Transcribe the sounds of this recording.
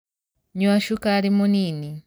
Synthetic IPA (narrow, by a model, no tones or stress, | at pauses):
ɲuaʃukalimunini